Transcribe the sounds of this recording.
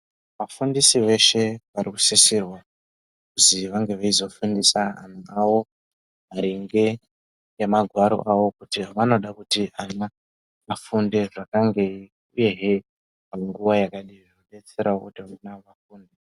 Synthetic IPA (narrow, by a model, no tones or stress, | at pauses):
ʋafundisiʋe̞ʃe̞ʋaɾiku̥sisirwa | kuziʋaŋɡe̞ʋaizo̞fundisaɦa̰n̤uawo̞ | aɾiŋɡe̞ | jemaɡʱwaɾo̞̰ʔawo̞kutiʋano̞ɗakutiana | mafundeʐakaŋɡe̞ | uje̞ɦe | paŋɡuwajakaɗiʋaaɗet͡se̞ɾaokutiaunaʋafuːnde